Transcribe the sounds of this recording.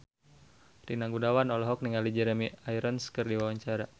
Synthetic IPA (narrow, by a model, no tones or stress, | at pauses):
rinaŋɡudawanɔlɔɦɔk̚niŋalid͡ʒɛɾɛmiaiɾənskərdiwawaɲt͡ʃaɾa